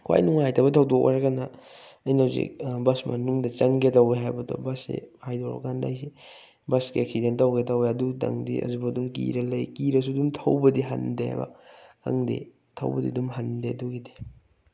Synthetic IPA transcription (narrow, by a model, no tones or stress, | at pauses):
kʰwa̰jnuŋajtʰɐbɐtʰɐwdok̚ʔa̰ɾakanɐ | ɐjnawzḭbɐsmɐ̰nuŋdɐt͡ʃɐŋɡetɐweɦajbɐdo̰bɐsḛhajdoɾɐ̰kanda̰jsi | bɐskeeksidentawɡetɐweɐdutɐ̰ŋdḭʔɐ̰zubɐdumkḭɾɐlɐjkiɾɐs̬udumtʰɐwbɐdiɦɐ̰ndea̰jbɐ̰kɐ̰ŋdḛ | tʰɐ̰wbɐdḭdumɦɐndeɐduɡidi